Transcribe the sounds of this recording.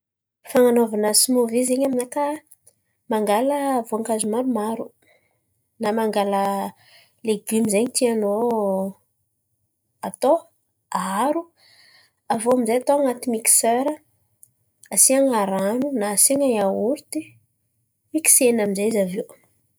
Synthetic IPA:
faŋanovanəsimovizeɲaminaka | maŋɡaləvoaŋkazumaɾumaɾu | namaŋɡalə | leɡymizeɲit̪iano | at̪o | aaɾu | avoamizajat̪oaŋat̪imiki̥søɾə | asiaŋaɾanunaːsiaɲaauɾut̪i | miki̥senamizaizavew

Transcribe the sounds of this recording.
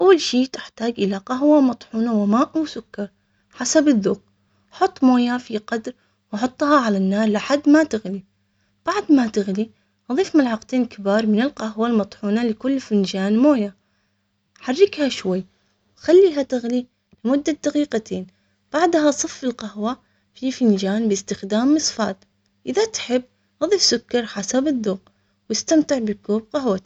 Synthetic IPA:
ʔawːalʃiːt̪ɪħt̪aːɡʔɪlaqaɦwamɑt̪ˤħuːnawɪmaːʔawsʊkːɑɾˤ | ħasabɪðːuːq̚ | ħʊt̪ˤːmoːjafiqɑd̪ɾ | wɑħʊt̪ˤːhɑʕalanːaːɾˤlɪħad̪ːmat̪ɪɣli | b̥aʕd̪mat̪ɪɣli | ʔɑðˤiːfmalʕɑqt̪eːnkabiːɾˤmɪnɪlqahwalmɑt̪ˤħuːnalɪkʊlːfɪnd͡ʒaːnmoːja | ħarːɪkhaʃwajː | wxalːiːɦat̪ɪɣli | lɪmʊd̪ːad̪̥aqiːqat̪ʰeːn | b̥aʕd̪ɦasˤɨfːɪlqahwa | fifɪnd͡ʒaːnbɪst̪ɪxd̪aːmːɨsˤfɑ̰ːt̪ | ʔɪðat̪ħɪbː | ʔɑðˤiːfsʊkːɑɾˤħasabɪðˤːʊːɣ | wɪst̪amt̪ɪʕbɪkuːb̚qahwa

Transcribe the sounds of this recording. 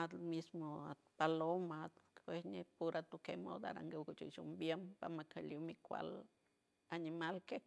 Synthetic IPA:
at̪mismoat̪palomat̪esnepuɾʔat̪ukemo̰d̪a̰ɾa̰ŋɡeukut͡ʃḭʃumbjempamakʰeljumikʷa̰l | animalke

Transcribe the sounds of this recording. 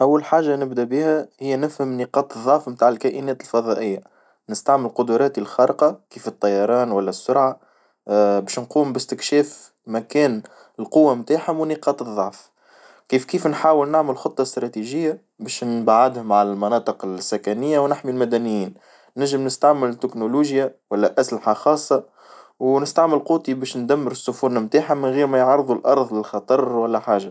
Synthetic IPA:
ʔawːalħaːʒːanɪbd̪æbiːhæhɪjːnɪfhəmniːqɑːt̪ˤðˤːɑʕfmt̪aːʕɪlkæːʔɪnɛːt̪ɪlfɑðˤɑʔɪjːa | nɪst̪aʕmɪlqʊd̪ʊɾˤɑːt̪ilxɑɾqɑkiːfət̪ˤːɑjɑɾˤɑːnwælːæsːʊɾʕa | bɛːʃnquːmbɪst̪ɪkʃɛːf | mækɛːn | ɪlqʊwːamt̪aːħhʊmwniːqɑːt̪ˤɨðˤːɑʕf | kiːfkiːfnħaːwɪlnaʕməlxʊt̪ˤːɑst̪ɾˤɑt̪iʒɪjːa | bɛːʃnbaʕɪd̪hʊmʕalælmɑnɑːt̪ˤɨqɪlsːækænɪjːawnɪħmilmæd̪ænɪjiːn | næʒːɪmnɪst̪aʕmɪlt̪ːɪknuluːʒjawælːæʔæslɪħaxɑːsˤːɑ | wnɪst̪aʕmɪlquːt̪ˤibɛːʃnd̪æmːəɾsːʊfʊɾnamt̪aːħamɪnɣiːɾmæjʕɑɾˤðˤulʔɑɾˤðˤlɪlxɑt̪ˤɑɾˤwælːæħaːʒa

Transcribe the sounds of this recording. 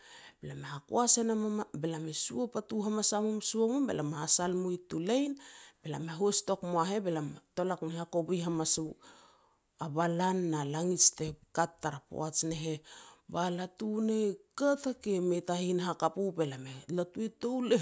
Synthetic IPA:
belameɦako̰asenamabelamesuopatuɦamasamumsuomumbḛlamahasalmujtulajnb̥e̞lameɦosto̞kmoaɦe̞belato̞laknehakobujɦamasu | abalanːalaŋit͡ʃtekatːaɾapo̰at͡ʃne̞ɦebalatunekatakemetahinɦakapube̞lamelatuetowle

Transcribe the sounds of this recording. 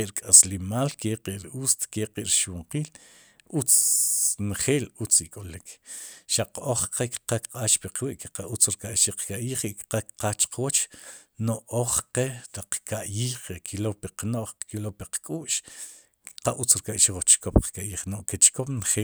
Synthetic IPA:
eʔɾkʼaslimaːlkeqiʔɾuːst̪keqʼḭʔɾʃwoɴqiːl | ʔut͡s | nχeːlut͡sikʼolikʃaqoχqekqakqʼaːʃpiqwiʔkeqaʔut͡sɾkaʔʃiqkaʔjiːχikqakqaːt͡ʃqwot͡ʃnoʔʔoχqeɾiqkaʔjiːχekʰilopiqnoʔχkilopiqkʼuːʔʃ | qaʔut͡sɾkaʔʃiwat͡ʃkopqkaʔjiːχnoʔket͡ʃkopnχeː

